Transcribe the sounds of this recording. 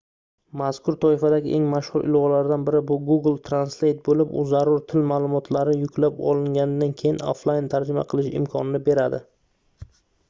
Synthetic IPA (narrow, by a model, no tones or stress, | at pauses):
maskʊɾt̪ʰɒɪfad̪aɡʲɪʔeŋmaʃhʊɾʔɪ̰lʁɒlaɾd̪anbɪɾɪbʊɡuɡlˠt̪ʰɾanslejt̪̚bolɪpʊ̰zːaɾʊɾt̪ʰɪlmaːlˠʊmɒt̪ʰlaɾɪjʊkʲʰlapɒ̰lˠɪŋɡʲanɪd̪ankʲʰe̞jɪno̰flˠajɪnt̪ʰaɾd͡ʒɪma̰qʰɨlˠɪʃɪ̰mkʰɒnɪnɪbe̞ɾad̪ɪ